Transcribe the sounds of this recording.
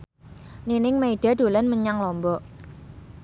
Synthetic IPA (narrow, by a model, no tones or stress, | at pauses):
ninɪŋmeiɖ̥a̤ɖ̪̥o̤lanməɲaŋlɔmbɔʔ